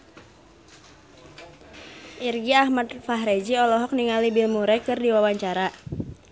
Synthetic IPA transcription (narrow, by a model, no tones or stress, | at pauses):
ʔirɡiahmad̚faɦɾed͡ʒiɔlɔɦɔk̚niŋalibilmuɾɛkɨrdiwawaɲt͡ʃaɾa